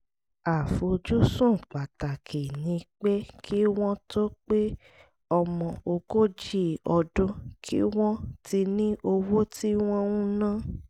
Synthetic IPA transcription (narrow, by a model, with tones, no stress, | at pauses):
a˨fo˧d͡ʒu˦sũ˦˨k͡pa˨ta˨kʰe˨nĩ˧k͡pe˦kʰi˦w̃ɔ̃˦to˦k͡pe˦ | ɔ˧mɔ̃˨o˧ko˦d͡ʒi˦ɔ˧dõ˦kʰḭ˦w̃ɔ̃˦tʰi˧nĩ˦ʔo˧wo˦tʰi˦w̃ɔ̃˦ŋũ˦nã˦